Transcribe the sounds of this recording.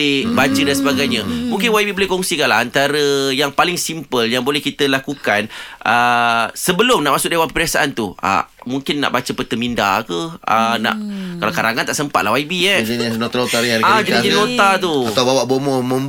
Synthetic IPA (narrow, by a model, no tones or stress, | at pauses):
ɪbad͡ʒədansəbaɡajɲəmũŋkɪnwaibibolɪhkɔŋsikanla̰ant̪aɾəjaŋpalɪŋsimpəljaŋbolɛhkit̪əlakukanʔəsəbəlʊmnaʔmaʔsʊk̚dewanpəpɾiasaʔant̪ua̰muŋkɪnːa̰ʔbat͡ʃəpət̪əminda̰kəəna̰ʔkalakaɾaŋant̪aʔsəmpat̪̚laɦwaibiɛd͡ʒnot̪alot̪aɾiaɾiad͡ʒadkinlot̪at̪uat̪awbawaʔbomɔmə̃m